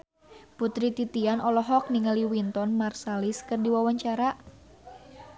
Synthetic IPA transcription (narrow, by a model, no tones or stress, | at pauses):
put̪ɾit̪it̪ianɔlɔɦɔk̚niŋaliwint̪ɔnmarsaliskɨrdiwawaɲt͡ʃaɾa